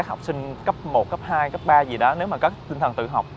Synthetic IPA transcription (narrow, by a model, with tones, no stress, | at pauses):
aː˦˥k̚ha˨˩wk͡p̚sï˧ŋ̟kə˦˥p̚mo˨˩t̚kə˦˥p̚haː˧jkə˦˥p̚ɓaː˧zi˨˩ɗɔ˨˦ne˨˦wmaː˨˩kaː˦˥k̚t̪i˧ŋ̟t̪ʰə˨˩nt̪ɨ̰˧˨ɦa˨˩wk͡p̚